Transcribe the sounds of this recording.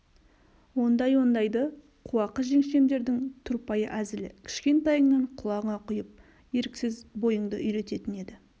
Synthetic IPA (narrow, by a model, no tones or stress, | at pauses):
wo̞nd̪ɑjwo̞nd̪ɑjd̪ə | qʰuwɑqəʒe̞ŋʃe̞md̪e̞ɾd̪ɪŋt̪ʰʊɾpɑjəʔæzɪlɪ̰kʲʰɪ̥ʃkʲe̞nt̪ɑjəɴnɑɴqʰʊlˠɑʁəɴɑqʰʊjəp̚ | je̞ɾɪkʲsɪzbo̞jəɴd̪ə̰ʔʏjɾe̞t̪e̞t̪ɪne̞d̪ɪ